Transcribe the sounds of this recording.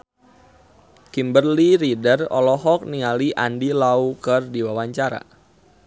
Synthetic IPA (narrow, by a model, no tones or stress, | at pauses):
kimbərliɾidərɔ̰lɔɦɔk̚niŋaliʔandilaukərdiwawaɲt͡ʃaɾa̰